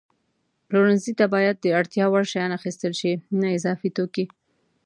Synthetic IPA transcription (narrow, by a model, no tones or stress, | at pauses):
ploɾɪnzit̪abɑjad̪̚ːəaɽt̪jɑwaɽʃajɑnaxist̪əlʃinaɪzɑfit̪oki